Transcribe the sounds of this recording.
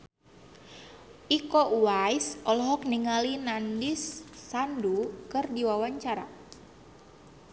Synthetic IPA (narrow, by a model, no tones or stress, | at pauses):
ʔikɔʔuwajsɔlɔɦɔk̚niŋalinandisːandukɨrdiwawaɲt͡ʃaɾa̰